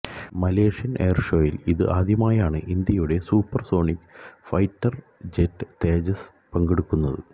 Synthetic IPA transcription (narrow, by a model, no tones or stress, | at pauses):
mɐleːʂijɐnʔeːrʂo̞ːjiliðɨʔaːd̪ʱjɐmaːjaːɳɨʔind̪jɐjuɽe̞suːpːɐrso̞ːɳikʲːfɐjtːɐr | d͡ʑetːɨt̪eːd͡ʑɐs | pɐŋɡeɽukːunːɐðɨ̰